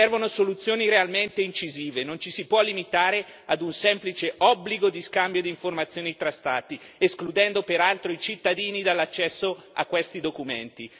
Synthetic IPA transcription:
ɛrvonosolut̪sːjoːniɾealment̪eint͡ʃiziːvenont͡ʃisipwɔlːimit̪aːɾe | ad̪unsɛmplit͡ʃeʔɔbːliɡod̪iskambjod̪iːɱformat̪sːjoːnit̪ɾast̪aːt̪i | esklud̪ɛnd̪opeɾalt̪ɾoit͡ʃit̪ːad̪iːnid̪alːat͡ʃːɛsːo | a̰kːwest̪id̪okument̪i

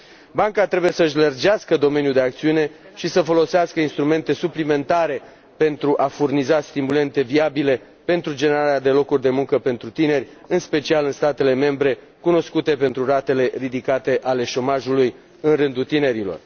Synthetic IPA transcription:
baŋkat̪ɾebuje̞səɨʃlərd͡ʒeaskəd̪o̞me̞njud̪e̞ak̚t̪siune̞ | ʃisəfo̞lo̞seaskəinst̪ɾume̞nt̪e̞suplime̞nt̪aɾe̞ | pe̞nt̪ɾuʔafurnizast̪imule̞nt̪e̞viabile̞ | pent̪ɾud͡ʒe̞ne̞ɾaɾead̪e̞lo̞kurʲd̪e̞muŋkəpe̞nt̪ɾut̪ine̞rʲɨnspe̞t͡ʃialɨnst̪at̪e̞le̞me̞mbɾe̞ | kuno̞skut̪e̞pe̞nt̪ɾurat̪e̞le̞rid̪ikat̪e̞ʔale̞ʃo̞maʒuluj | ɨnrɨnd̪ut̪ine̞ɾilo̞̰r

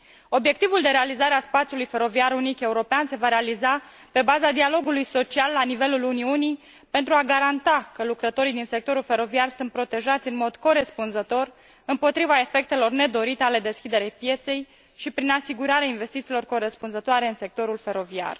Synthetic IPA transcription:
o̞bje̞k̚t̪ivuld̪e̞ɾe̞alizaɾeaspat̪sijulujfe̞ɾo̞viaɾunike̞uɾo̞peanse̞vaɾe̞aliza | pe̞bazad̪ialo̞ɡulujso̞t͡ʃialːanive̞luluniunij | pe̞nt̪ɾuaɡaɾant̪akəlukɾət̪o̞ɾijd̪inse̞k̚t̪o̞ɾulfe̞ɾo̞viarsunt̪pɾo̞t̪e̞ʒat̪sʲɨnmo̞d̪ko̞ɾe̞spunzət̪o̞r | ɨmpo̞t̪ɾivae̞fe̞k̚t̪e̞lo̞rne̞d̪o̞ɾit̪e̞ale̞d̪e̞skʲid̪e̞ɾejpje̞t̪se̞j | ʃipɾinasiɡuɾaɾeainve̞st̪it̪silo̞rko̞ɾe̞spunzət̪oaɾe̞ɨnse̞k̚t̪o̞ɾulfe̞ɾo̞via̰r

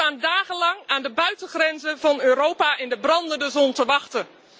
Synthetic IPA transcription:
aːndaːχənlɑŋaːndəbœɥtəχrɛnzəvɑnøːɾowpaʔɪndəbrɑndəndəzɔntəʋɑχtə

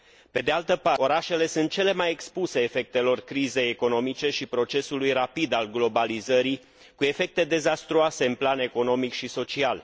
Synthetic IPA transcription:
pe̞d̪e̞alt̪əpao̞ɾaʃe̞le̞suɨnt̪̚t͡ʃe̞le̞majekspuse̞ːfe̞k̚t̪e̞lo̞rkɾize̞jeko̞no̞mit͡ʃe̞ʃipɾo̞t͡ʃe̞sulujrapid̪alɡlo̞balizəɾi | kue̞fe̞k̚t̪e̞d̪e̞zast̪ɾuase̞ɨnplane̞ko̞no̞mikʃiso̞t͡ʃial

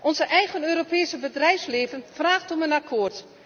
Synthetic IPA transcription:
ʔɔnzəʔɛjɣənøːɾopɛːsəbədrɛjfsleːvənfraːxtɔmənakʰoːrt

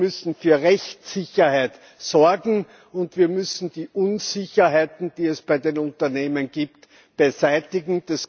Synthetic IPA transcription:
mʏsn̩fyːɐʁɛçtsɪçɐhaɪt | sɔɐɡŋ̩ | ʊntv̥iːɐmʏsn̩d̥iːʔʊnz̥ɪçɐɦaɪtn̩d̥iːɛsb̥æɪdeːnʊ̃ntɐneːmənɡ̥iːpt | b̥ezæɪtɪɡŋ̩d̥as

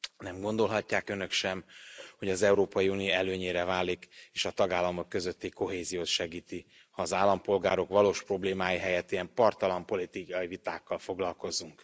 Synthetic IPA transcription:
nɛmɡo̞nd̪o̞lɦɒcːaːkønøkʃɛmho̞ɟɒzɛuɾoːpɒjiunioɛløːɲeːɾɛvaːlːikeːʃɒt̪ɒɡaːlːɒmo̞kːø̞zø̞t̪ːiko̞ɦeːzijoːt̪ʃɛɡiːt̪i | hɒːzaːlːɒmpo̞lɡaːɾo̞kʋɒloːʃpro̞bleːmaːjiɦɛjɛt̪ːiɛmpɒrt̪ɒlɒmpo̞lit̪ikɒjivit̪aːkːɒlfo̞ɡlɒlko̞zuŋk

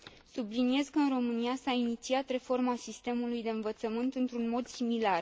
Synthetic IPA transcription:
sublinie̞zkəɨnro̞mɨniasainit̪siat̪re̞fo̞rmasist̪e̞mulujd̪e̞ɨnvət̪səmɨnt̪ɨnt̪ɾunmo̞d̪similar

